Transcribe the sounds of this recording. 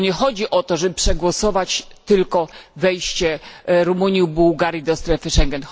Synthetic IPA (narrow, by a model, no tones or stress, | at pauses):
ɲɛxɔd͡ʑiʔɔt̪ɔʐɛbɘpʂɛɡwɔsɔvat͡ɕt̪ɘlkɔvɛjɕt͡ɕɛɾumuɲibuwɡaɾʲjid̪ɔst̪ɾɛfɘʂɛŋɡɛn